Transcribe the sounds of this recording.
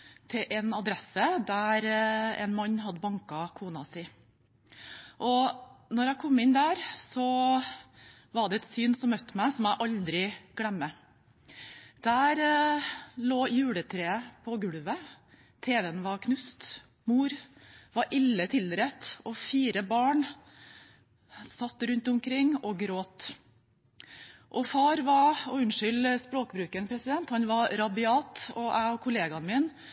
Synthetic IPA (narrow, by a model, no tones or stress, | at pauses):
t̪ʰɪʔɛnɑd̪ɾɛsəd̪æɾɛ̰nmɑɲːɦɑd̪ːəbɑŋkɑkʰuːnɑsɪː | ʔɔnɔɾæɪkʰɔmːɪnd̪æːɾsɔ | ʋɑɖɛɛt̪syːnsɔmœt̪ːmæɪsɔmjæɪʔɑld̪ɾɪɡ̥ɽɛmːə | d̪̥æːɾ | loːjʉːɽət̪ʰɾeːəpʰɔɡʉɽʋə | t̪ʰeːʋɛənʋɑɾkʰnʉst̪ | muːɾʋɑɾʔɪlːət̪ʰɪld̪ɾɛt̪ɔfiːɾəbɑːɳ | sɑt̪ːɾʉnt̪ʊmkʰɾɪŋːɔɡɾoːt̪ | ʔɔfɑːɾʋɑɾɔʉnʂʏlspɾoːkbɾʉːkənpʰɾɛsɪd̪ɛnt̪hɑnʋɑɾɑbɪɑːt̪ɔʔæɪɔkʰʊleːɡɑnmɪːn